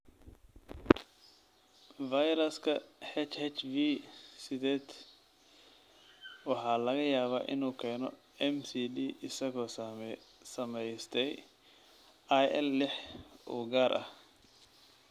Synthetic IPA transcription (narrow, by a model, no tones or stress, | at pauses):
vɐjɾɐskʰɐhɛt͡ʃhɛt͡ʃvisɪðɛːd̪ | wɑħɑːlɐɣɐjaːβaːʔɪ̰nuːkʰɛːnɔ̰ | ɛmsiːdiːʔɪsɐɣɔːsɐmɛsɐmɛjst̪ʰɛj | ʔajʔɛlːɪħṵːɡaːɾʔɐ̰h